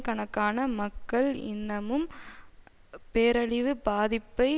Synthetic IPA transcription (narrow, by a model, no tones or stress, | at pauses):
kɐɳɐkːaːnɐmɐkːɐɭɪ̰nːɐmɯm | peːɾɐɭɪʋɯbaːðɪpːɐɪ